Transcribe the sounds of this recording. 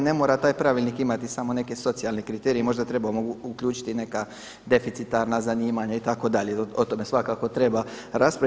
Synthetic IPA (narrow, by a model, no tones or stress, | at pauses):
ne̞mo̞ːɾat̪aːjpɾaʋilnikimat̪isamo̞ne̞ke̞so̞t̪sialne̞kɾit̪eːɾijemo̞ʒd̪at̪ɾe̞bamoukʎuːt͡ʃi̥t̪ine̞ka | d̪e̞fit̪sit̪aɾnazaniːmaɲait̪ako̞d̪aʎe̞ot̪o̞me̞sʋakakot̪ɾe̞baɾaspɾa